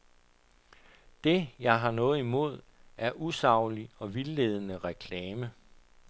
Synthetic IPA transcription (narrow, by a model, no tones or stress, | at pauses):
d̥e̝jɑ̈ɪɦɑ̈nɔ̽ːð̞̩ˠimo̝ð̞̰ˠ | æɐʔusɑ̈ʊ̰liɒ̽ʋilːeːð̞ˠənəʁɛkʰlɛːmə